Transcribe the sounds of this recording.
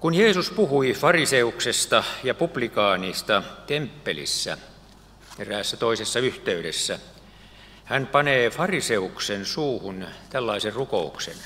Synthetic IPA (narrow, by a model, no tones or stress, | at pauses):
kunjeːsuspuhuifɑriseuksest̪ɑjɑpub̥likɑːniːst̪ɑt̪empːelḭsːæ̰ | t̪eræːsːæt̪oisesːɑyht̪eyɾesːæ | hænpɑneːfɑriseuksensuːhunt̪ælːɑiserrukouksḛn